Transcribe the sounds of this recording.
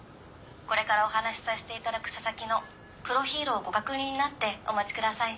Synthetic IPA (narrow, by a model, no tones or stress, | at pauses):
ko̞ɾe̞kaɾao̞ɦanaɕi̥saɕi̥t̪e̞it̪ad̪akɯ̟̥sasakʲino̞ | pɯ̟ɾo̞çʲiːɾo̞ːɡo̞kakɯ̟ɲʲĩɲ̟ːinat̪ːe̞o̞̰mat͡ɕi̥kɯ̟d̪asai